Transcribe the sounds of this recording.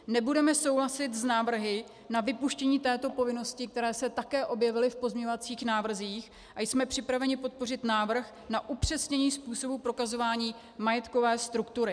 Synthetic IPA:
nɛbudɛmɛso̞wlasɪt̪znaːvr̩ɦɪ | navɪpuʃcɛɲiːt̪ɛːt̪o̞po̞vɪno̞scɪk̚t̪ɛɾɛːsɛt̪akɛːʔo̞bjɛvɪlɪfpo̞zmɲɛɲovat͡siːxnaːvr̩ziːx | ʔajsmɛpr̝̥ɪpɾavɛɲɪpo̞t̪̚po̞r̝ɪt̪naːvr̩x | naʔupr̝̥ɛsɲɛɲiːspuːso̞bupɾo̞kazo̞vaːɲiː | majɛt̪ko̞vɛːst̪ɾukt̪uɾɪ

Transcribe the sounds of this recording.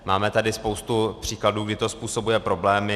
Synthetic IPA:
maːmɛt̪adɪspo̞wst̪upr̝̥iːkladuːɡdɪt̪o̞spuːso̞bujɛpɾo̞blɛːmɪ

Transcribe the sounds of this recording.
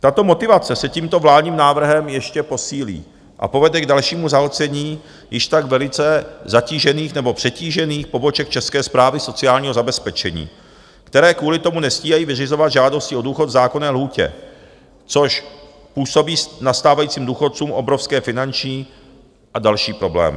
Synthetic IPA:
t̪at̪o̞mo̞t̪ɪvat͡sɛsɛciːmt̪o̞vlaːdɲiːmnaːvr̩ɦɛmjɛʃcɛpo̞siːlḭː | ʔa̰po̞vɛdɛɡdalʃiːmuzaɦot͡sɛɲiː | jɪʃt̪aɡvɛlɪt͡sɛzaciːʒɛniːxnɛbo̞pr̝̥ɛciːʒɛniːxpo̞bo̞t͡ʃɛkt͡ʃɛskɛːspɾaːvɪso̞t͡sɪaːlɲiːɦo̞zabɛspɛt͡ʃɛɲḭː | kt̪ɛɾɛːkvuːlɪt̪o̞munɛsciːɦajiːvɪrɪzo̞vad̪ʒaːdoscɪo̞duːxo̞t̪vzaːko̞nɛːlɦuːcɛ̰ | t͡soʃ | puːso̞biːsnast̪aːvajiːt͡siːmduːxot̪̚t͡suːmʔo̞bɾofskɛːfɪnant͡ʃɲiː | ʔadalʃiːpɾo̞blɛ̰ːmɪ̰

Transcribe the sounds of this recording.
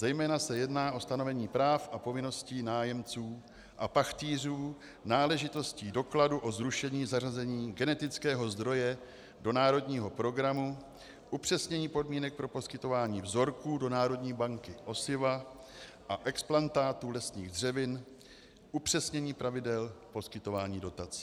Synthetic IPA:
zɛjmɛːnasɛjɛdnaːʔo̞st̪ano̞vɛɲiːpɾaːfʔapo̞vɪno̞sciːnaːjɛmt͡suː | ʔapaxt̪iːr̝uː | naːlɛʒɪt̪o̞sciːdo̞kladuʔo̞zɾuʃɛɲiːzarazɛɲiːɡɛnɛt̪ɪt͡skɛːɦo̞zd̪ɾo̞jɛ | do̞naːɾo̞dɲiːɦo̞pɾo̞ɡɾamu | ʔupr̝̥ɛsɲɛɲiːpo̞dmiːnɛk̚pɾo̞po̞skɪt̪o̞vaːɲiːvzo̞ɾkuːdo̞naːɾo̞dɲiːbaŋkɪʔo̞sɪva | ʔaʔɛksplant̪aːt̪uːlɛsɲiːɣdr̝ɛvɪn | ʔupr̥ɛsɲɛɲiːpɾʔavɪdɛlpo̞skɪt̪o̞vaːɲiːdo̞t̪at͡si̥ː

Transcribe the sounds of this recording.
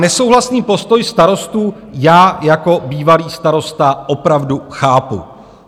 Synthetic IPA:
nɛso̞wɦlasniːpo̞st̪o̞jst̪aɾo̞st̪uː | jaːjako̞biːvaliːst̪aɾo̞st̪aʔo̞pɾavduxaːpṵ

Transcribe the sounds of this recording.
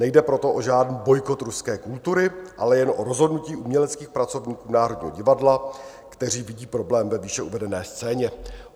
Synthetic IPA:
nɛjdɛpɾo̞t̪o̞ʔo̞ʒaːdniːbo̞jko̞t̪ɾuskɛːkult̪uɾɪʔa̰lɛjɛnʔo̞ɾo̞zɦo̞dnuciːʔumɲɛlɛt͡skiːxpɾat͡so̞vɲiːkuːnaːɾo̞dɲiːɦo̞ɟɪvadla | kt̪ɛr̝iːvɪɟiːpɾo̞blɛːmvɛviːʃɛuvɛdɛnɛːst͡sɛːɲɛ

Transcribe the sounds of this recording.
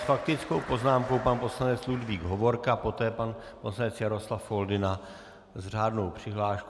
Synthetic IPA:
sfak̚t̪ɪt͡sko̞wpo̞znaːmko̞wpanpo̞slanɛt͡sludviːɡɦovo̞ɾkapo̞t̪ɛːpan | poslanɛt͡sjaɾo̞slafo̞ldɪna | zr̝aːdno̞wpr̝̥ɪɦlaːʃk

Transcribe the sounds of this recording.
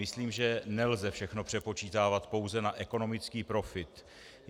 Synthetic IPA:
ɪsliːmʒɛnɛlzɛfʃɛxno̞pr̝̥ɛpo̞t͡ʃiːt̪aːvat̪po̞wzɛnaʔɛko̞no̞mɪt͡skiːpɾo̞fɪt̪

